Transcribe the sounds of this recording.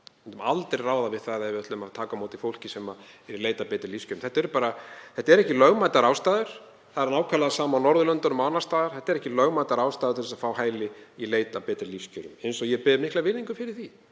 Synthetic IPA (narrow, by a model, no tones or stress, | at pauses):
mɛnt̪ʏmalt̪ɾeraːwðavɪðθaahɛvɪat̪lʏmat̪ʰaːkamoːwt̪ɪfowl̥cɪsɛmaɛɾileːjt̪apɛːt̪ɪɾliscʏɾʏmθɛht̪aɛɾʏpaːɾaθɛht̪aɛɾɛhcɪlœɣmajt̪aɾawst̪aːðʏɾ̥ | θaðɛɾnaːwkʰalaðasaːmawnɔɾðʏlœnt̪anʏmanḁst̪aːðaɾ̥θɛht̪ːaɾɛhcɪlœɣmaːjt̪aɾaːwst̪aːðɾt̪ʰɪlɛsafaːwɦaːjlɪileːjt̪apɛːt̪ɪɾliscœɾʏmejnsɔɣjɛpɪðʏmɪhklavɪnːiŋkʏfɪɾɪɾ̥θi